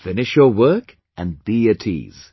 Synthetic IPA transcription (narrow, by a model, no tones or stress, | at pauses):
fɪnɪʃjəwɜˑ˞k | ʔə̃nbiətʰḭːz̥